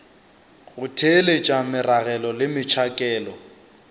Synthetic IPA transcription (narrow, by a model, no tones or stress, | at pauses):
ɣʊtʰelet͡ʃʼamɪraɣɛlɔlɪmɪt͡ʃʰakʼɛːlɔ